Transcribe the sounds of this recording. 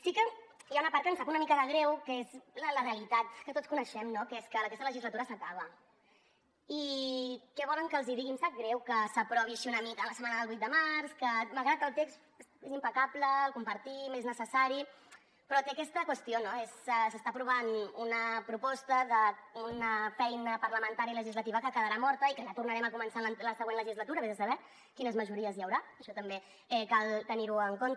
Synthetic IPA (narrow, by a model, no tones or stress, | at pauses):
sikəjaunəpaɾt̪kənsfakunəmikəðəɣ̞ɾɛwkəezlləreəlit̪at̪kət̪ott͡skunəʃɛmnokeskələkɛst̪ələʒizlət̪uɾəsəkaβ̞ə | ikɛβɔləŋkəːlˠziðiɣimsak̚ɡɾɛwkəsəpɾɔβiaʃiunəmikələsəmanəðəlβujt̪̚d̪əmaɾskəmalˠɣɾat̪̚kəlˠt̪eks | ezimpəkabləːlˠkumpəɾt̪imeznəsəsaɾi | pɾɔt̪eəkɛst̪əkwəst̪ionoezɛsəst̪aːpɾuβ̞anunəpɾupɔst̪əðəunəfɛjnəpərləmənt̪aɾiləʒizlət̪iβəkəkəðəɾamɔɾt̪əikəʒat̪urnəɾɛməkumənsalələsəɣwenləʒizlət̪uɾəβezðəsəβɛ | kinəzməʒuɾiəzjəwɾaəʃɔt̪əmbe | ɛkalˠt̪əniɾuəŋkont̪